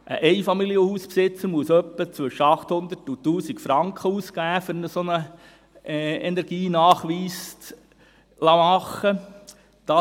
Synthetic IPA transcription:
ʔəʔɛɪfɑmiljəhuːspsɪt͡səɾmuəsœpːət͡sʋɵʃːəɑχt̪hʊnd̪əɾtutuːsikfɾɑŋkχəuːsɡ̥æːfʏɾnəsonə | ɛnɛɾɡ̥iːnɑːχʋiːst | lɑmɑχːə | d̥ɑ

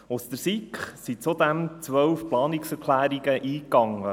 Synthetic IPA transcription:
ʊst̪əɾsikχsit͡sud̪ɛmt͡sʋœwfplɑːniksɛɾkʰlæːɾiɡəʔiːkːɑŋːə

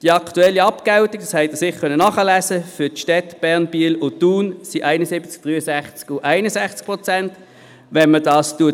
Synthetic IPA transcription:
d̥iɑktuɛlːiɑpkaʊtik̚dɑ̥shɛɪtəsɪχkʰœnənɑχəlæːsəfʏɐtʃtɛtb̥ɛɐnb̥iəlʊtuːnsiʔaɪnəsɪbət͡sk̚d̥ʁyːəsæχt͡skʊʔaɪnəsæχt͡sk̚pʁɔt͡sɛnt | ʋɛnmədɑːstuə

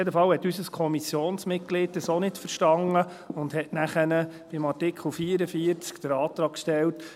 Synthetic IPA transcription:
jɛdəfɑwhɛtːysəskʰɔmisjoːnsmɪt̚ɡ̥lɪt̚d̥əsonɪtfəɾʃtɑŋə | ʊndhɛtnæχənə | b̥ɪmɑɾtɪkχl̩ˠfiːəɾəfiəɾt͡skd̥̪əɾɑːt̪ɾɑːkkʃtɛlt

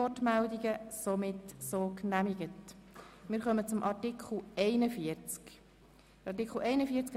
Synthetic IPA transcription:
ɔtmældiɡəsomɪtsoːknæmiɡətmɪɾχœmət͡sʊmʔɑɾtikχl̩ɛɪnəfiəɾt͡sk | ɑɾt̬ikχl̩ɛɪnəfiəɾt͡sk

